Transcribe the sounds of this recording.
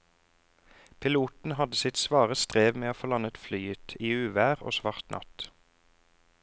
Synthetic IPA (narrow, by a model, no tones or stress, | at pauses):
pʰɪluːt̪n̩hɑd̪əsɪt̪sʋɑːʁəst̪ʁeːʋmeːoːfɔlɑnət̪flyːt̪iːʉːʋæːʁo̰ːsʋɑʁt̪nʔɑ̰t̪